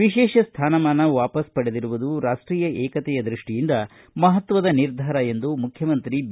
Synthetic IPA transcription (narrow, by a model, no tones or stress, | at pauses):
ʋiʃɛːʃɐst̪ʰaːnɐmaːnɐʋaːpɐspɐɽed̪iɾuʋud̪uɾaːʂʈɾiːjɐʔɛːkɐt̪ɛjɐd̪ɾiʂʈijind̪ɐ | mɐɦɐt̪ʋɐd̪ɐniɾd̪ʱaːɾɐe̞nd̪umukʰjɐmɐnt̪ɾib